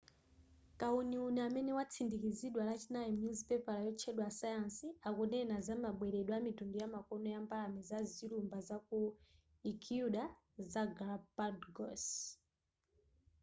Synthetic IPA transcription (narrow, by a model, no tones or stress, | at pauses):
kauniunɛamɛnɛwat͡sʰindikiziɗwalat͡ʃinajɛmunzipɛpalajɔt͡ʃʰɛɗwasajansiakunɛnazamaɓwɛɾɛɗwamitundɔjamakɔnɔjambalamɛzazilumbazaku | ikʰuɗa | zaɡɾapadɡɔs